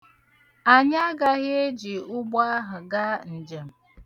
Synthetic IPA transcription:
a˨ɲa˦ɡa˦ɦɪ˦e˦d͡ʒi˨ʊ˦ɡ͡ba˦ɦʊ˨ɡa˦n̩˨d͡ʒe˨m̩˨

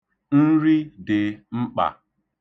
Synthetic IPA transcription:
n̩˦ɾi˦dɪ˨ŋ͡m̩˦k͡pa̰˨

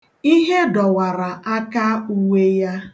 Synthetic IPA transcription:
i˦ɦe˦dɔ˨wa˨ɾa˨ʔa˦ka˦u˦we˦ja˦

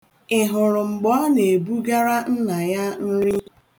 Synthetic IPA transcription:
ɪ˨ɦʊ˨ɾʊ˨ŋ͡m̩˨ɡ͡bɔ˦ne˨bu˦ɡa˦ɾa˦n̩˦na˨ja˦n̩˦ɾi˦

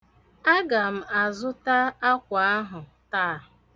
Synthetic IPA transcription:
a˦ɡa˨m̩˨a˨zʊ˦ta˦a˦kʷa˨a˦ɦʊ˨ | taː˦˨

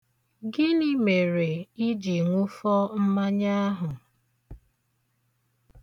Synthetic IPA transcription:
ɡɪ˦ni˦me˨ɾe˨i˦d͡ʒi˨ŋʷʊ˦fɔ˦m̩˦ma˦ɲa˦a˦ɦʊ˨

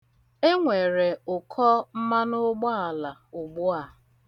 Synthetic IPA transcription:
e˦ŋʷe˨ɾe˨ʊ˨kʰɔ˦m̩˦ma˦nʊ˦ɡ͡bɔ˦a˨la˨ʊ˨ɡ͡bʊ˦a˨

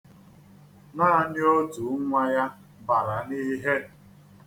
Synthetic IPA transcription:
naː˦˨ɲ˦o˦tu˨˦ŋʷa˦ja˦ | ba˨ɾa˨ni˦ɦe˦

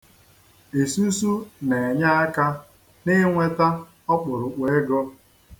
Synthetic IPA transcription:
e˨su˦su˦ne˨e˨ɲa˦a˦ka˦ | nɪ˦ŋʷe˦ta˦ | ɔ˦k͡pʊ˨ɾʊ˨k͡pʷe˦e˦ɡɔ˦

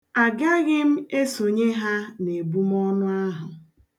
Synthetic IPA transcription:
a˨ɡa˦ɣɪ˦m̩˦e˦so˨ɲe˦ɦa˦ne˨bu˦m˦ɔ˦nʊ˦a˦ɦʊ˨

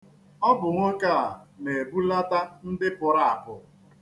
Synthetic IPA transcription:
ɔ˦bʊ˨ŋʷʊ˦ka˦˨a˨ne˨e˨bu˦la˦ta˦n̩˦dɪ˦pʊ˨ɾa˦a˨pʊ˨

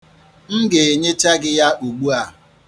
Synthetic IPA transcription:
ŋ̩˦ɡe˨e˨ɲe˦t͡ʃa˦ɡɪ˦ja˦ʔu˨ɡ͡bu˦a˨

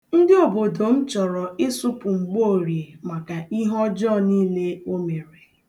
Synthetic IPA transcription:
n̩˦dɪ˦ɔ˨bo˨do˨m̩˦t͡ʃɔ˨ɾɔ˨ɪ˦sʊ˦pʊ˨ŋ͡m̩˨ɡ͡bo˦˨ɾje˨ma˨ka˨i˦ɦɔ˦d͡ʒɔ˦˨niː˦le˦o˦me˨ɾe˨

